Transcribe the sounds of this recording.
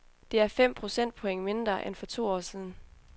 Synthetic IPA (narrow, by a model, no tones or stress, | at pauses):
d̥e̝æɐfem̰pʰʁo̝sen̰d̥̚pʰo̽eŋ̰me̝nd̥ʁɐʔenfɒ̽t͡sʰo̝̰ːɒ̰ːsiːðˠn̩